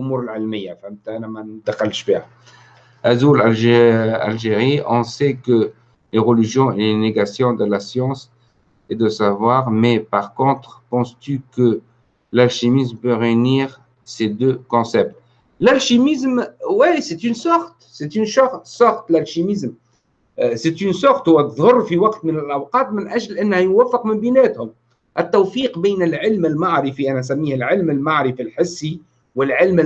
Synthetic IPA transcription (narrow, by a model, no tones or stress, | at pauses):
ʊmuɾəlʕəlmijːãfɛ̃mt̪anamad̪aqalʃbɛʁ | ʔazulala̰lʒeʁiɔ̃sɛkə | leʁəliʒjɔ̃eleneɡasjɔ̃d̪əlasjɑ̃s | ed̪əsavwaʁmɛpaʁkɔ̃t̪χpɑ̃st̪ykə | lalʃimismpøʁeyniːʁ | sed̪økɔ̃sɛp̚t̪ | lalʃimɪzmwiset̪ynsɑxt̪set̪ynʃɑxsɑxt̪lælʃimɪzm | set̪ynsʊxt̪hʊwæt̪ðˤhʊrˤːfiwɑqt̪mɪnɪlʔawqɑːt̪mɪnʔæʒlʔænːhæjʊwæfːɪqmɪmbinɛːt̪hʊm | ʔɪt̪ːowfiːqbɛːnɪlʕɪlmɪlmaʕɾɪfiʔænæs̬æmːiːhɪlʕɪlmɪlmaʕɾifilħɪsːi | wɪlʕɪlm